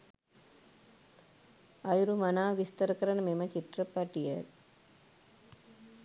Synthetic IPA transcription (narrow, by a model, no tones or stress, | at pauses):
ɐjuɾumɐnaːʋist̪ɐɾəkəɾɐnəmemɐt͡ʃit̪rəpɐʈijə